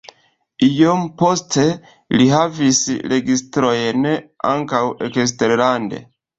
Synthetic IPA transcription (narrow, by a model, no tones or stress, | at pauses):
ijompo̞ste̞ | liɦavisɾʔe̞ɡistɾo̞jne̞a̰ŋkawʔe̞kes̬teɾlande̞̰